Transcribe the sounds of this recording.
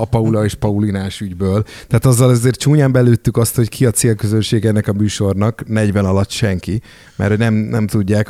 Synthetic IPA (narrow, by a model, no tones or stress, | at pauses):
ɒpɒulɒeːʃpɒulinaːʃyɟbøːlt̪ɛːt̪ɒzːɒlɛzeːrt̪t͡ʃuːɲaːmbɛløːt̪ːykɒst̪ho̞ckʰiɒt̪seːlkøzø̞nʃeːɡɛnːɛkɒmyːʃo̞rnɒknɛɟʋɛnɒlɒt̪ːʃɛŋki | mɛ̰rhoɟnɛmnɛmt̪uɟːaːk